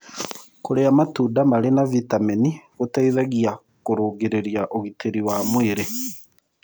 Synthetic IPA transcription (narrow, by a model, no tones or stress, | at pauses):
koɾeamatuːdamaɾenavitameniɣotaiðaɣia | koɾoːɡeɾeɾjaʔoɣiteɾiwamweɾe